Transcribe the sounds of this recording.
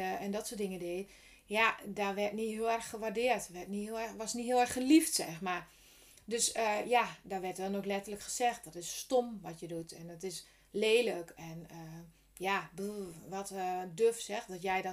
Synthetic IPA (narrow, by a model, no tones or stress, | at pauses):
ɛndɔtsoːdɪŋədeː | jadaʋɛrtniɦiəlˠɛrxxəʋardɪətʋɛrtnihilˠɛʋɔsnitɦiəɛrxxəliftsɛxmar | døsəjadɔʋɛrtdɔnoxlɛtərləkxə̥sɛxt̚dɔtɪsːtomʋɔtjədutʰɛndɔtɪs | leːləkʰɛnə | jabʋɔtdøfsɛxdɔtjɛjdɔ